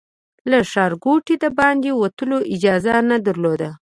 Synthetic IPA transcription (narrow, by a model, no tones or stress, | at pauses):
laʃɑɾɡoʈid̪abɑnd̪ewat̪əloʔɪd͡ʒɑzanad̪aɾlod̪a